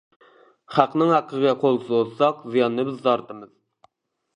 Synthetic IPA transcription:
χæqnɨŋhæqʰːəɡʲɛqʰolˠɨsɨozsɑqzijɑnːɨbɪzːɑɾt̪ɨmɨz̥

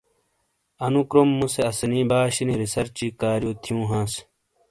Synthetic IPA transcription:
ɐnukɾomːuseɐsɐnĩːbaːɕiniɾisɐɾt͡ɕiːkaːɾjoːt̪ʰijũːɦãːs

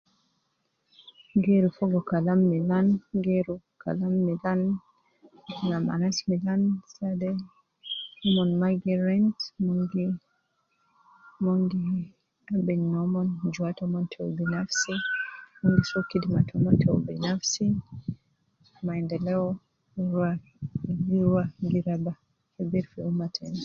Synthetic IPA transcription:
ɡeɾufɔɡɔkalamːilanɡeɾu | kʰa̰lamːilan | nama̰nasmilansadɛ | ɔmɔnmaɡɛɾantmɔɡi | moŋɡi | abɛɲnɔmɔnd͡ʒuatɔmɔntʰɛɔbinafsimuŋɡisɔkidimatʰumatʰɛɔbinafsi | maɛndɛlɛɔ | ɾwa | iɾwaɡiɾaba | hɛbiɾfɛumatʰɛn

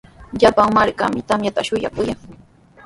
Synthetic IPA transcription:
ʎapaŋmaɾka̰mɪt̪amjat̪aʃʊja̰kʊjaŋ

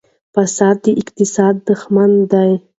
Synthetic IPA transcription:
fasɑːd̪ːəʔɪqt̪ɪsɑːd̪ːəxmand̪aj

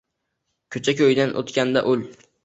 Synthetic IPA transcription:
kʲʰɵt͡ʃʰakʲʰɵjd̪anʔo̰t̪kʲand̪aʔɵl

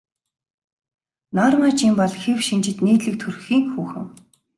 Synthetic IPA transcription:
naːrmaːt͡ɕimpɔɮxewʃint͡ɕɪ̆t̪neːt̪ɮɘ̆k̚t̪ʰurxiːŋxuːxɘ̆ŋ

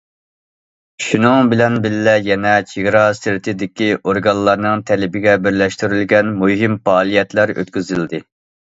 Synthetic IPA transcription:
ʃunɨŋbɪlɛnbɪlːɛjɛnɛt͡ʃʰeɡʲɾɑsɪɾɪt̪ʰɪd̪ɪkʲiʔoɾɡɑnlˠɑɾnɨŋt̪ʰɛlɪbɪɡʲɛbɪɾlɛʃt̪yɾylɡʲɛnmuɦimfɑːlˠijɛt̪læɾø̰t̪kʲyzɪld̪ɪ

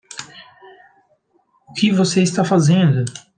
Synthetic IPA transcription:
ʊkɪvoseist̪afazẽnd̪ʊ

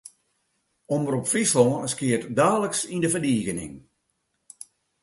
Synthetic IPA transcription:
ɔməɾɔpfislɔːskiətdaːləksindəfərdiːɣənɪ̰ŋ

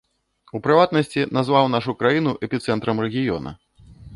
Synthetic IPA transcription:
upɾɨvat̪̚nɐsʲt͡sʲinazvawnaʂukɾajinuʔɛpʲit̪sɛnt̪ɾɐmrɛɣʲijɔ̰nɐ̰

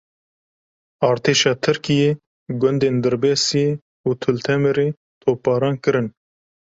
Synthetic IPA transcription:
ɑːɾt̪ʰeːʃɑːt̪ʰɨɾkijeː | ɡʊnd̪eːnd̪ɨɾbeːsijeː | uːt̪ʰʊlt̪ʰɛmeɾeː | t̪ʰoːpɑːɾɑːnkɨɾɨn

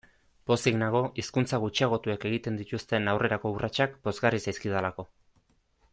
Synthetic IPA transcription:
bo̞siɣnaɣo̞ʔiskunt͡saɣut͡ʃiaɣ̞o̞t̪ueke̞ɣ̞it̪e̞nd̪it̪ust̪e̞nawre̞ɾako̞urʔat͡ʃakbo̞zɣarisajskið̞alako̞

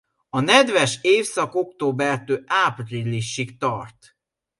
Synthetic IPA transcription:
ɒnɛd̪vɛʃeːfsɒko̞kt̪oːbɛrt̪øːʔapriliʃːikt̪ɒrt̪

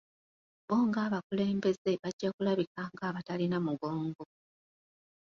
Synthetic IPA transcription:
βo̞ːŋɡaːβakule̞ːmbe̞ze̞βaɟːakulaβikaŋɡaːβatalinamuɡo̞ːŋɡo̞

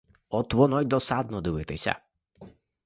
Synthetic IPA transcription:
ɔt̪ːvɔnɔjd̪ɔsad̪nɔd̪ɨvɛt̪ɛɕʲa̰

